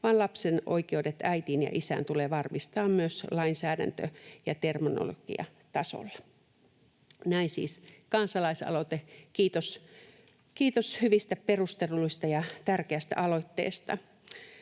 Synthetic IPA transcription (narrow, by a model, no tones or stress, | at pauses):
ʋɑːnlɑpseno̰ikeudet̪æit̪injɑ̰ʔisæ̰nt̪uleːʋɑrmist̪ɑːmmyøslɑinsæːdæ̰nt̪ø̰jɑt̪ermino̰lo̰ɡ̥ḭɑ̰ | t̪ɑso̰lːɑ | næinsḭːskɑnsɑlɑisɑ̰lot̪ekiːt̪os | kiːt̪oshyʋist̪æperust̪elːuist̪ɑjɑt̪ærkeæst̪æ̰ʔɑloit̪ːḛːst̪ɑ̰